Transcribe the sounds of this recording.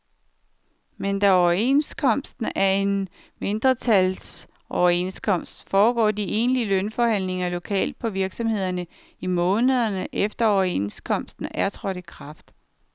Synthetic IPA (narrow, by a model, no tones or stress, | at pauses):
mend̥æɒʊɐe̝nskʰɒ̽m̰sd̥n̩æɐe̝n | me̝nd̥ʁɐt͡sʰæls | ʔɒʊɐe̝nskʰɒ̽m̰sd̥fɒːɡ̥ɒ̰ːdiʔe̝ːnliəlønfɒhæn̰le̝ŋɐlo̝kʰɛ̰ːld̥̚pʰɒ̽ʋiɐɡ̥sɒ̽mhe̝ð̰ˠɐnə | imɔ̽ːnəð̞ˠɐnəʔefd̥ɐɒʊɐe̝̰nskʰɒ̽m̰sd̥n̩ʔæɐt͡sʰʁɒ̽ɾ̥ikʰʁɑ̈fd̥